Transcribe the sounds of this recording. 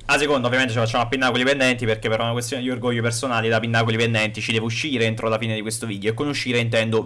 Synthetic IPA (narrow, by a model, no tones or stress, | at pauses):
asːekond̪aovjament̪et͡ʃifat͡ʃːamoapːinːakolipend̪ɛnt̪iperkepːeɾɔunakwest̪joːned̪iorɡoʎːoepersonaːlid̪apinːakolipend̪ɛnt̪it͡ʃid̪ɛːvouʃːiːɾeent̪ɾolafiːned̪ikwest̪oviːd̪joekːonuʃːiːɾeint̪ɛnd̪o